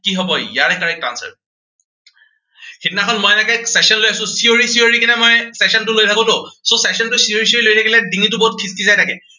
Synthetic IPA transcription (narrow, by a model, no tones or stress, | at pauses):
kiɦɔbɔjaɹɛkaɹɛk̚tɹa̰nsɛ̰ɹ | xitinaxɔlmɔjnakɛksɛsɔnlojasʊ̃sioɹisioɹikɛnɛmɔjsɛsɔntʊlojtʰakɔtʊsosɛsɔntʊsioɹis̬ioɹilojtʰakilɛdiŋitʊbɔt̚kʰistizajtʰakɛ